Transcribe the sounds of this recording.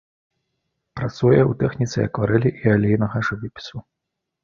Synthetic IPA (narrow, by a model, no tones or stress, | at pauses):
pɾat̪sujɛut̪ɛxnʲit̪sɨ̰ɐ̰kvaɾɛlʲiʔialʲɛjnɐɣɐʐɨvʲipʲi̥su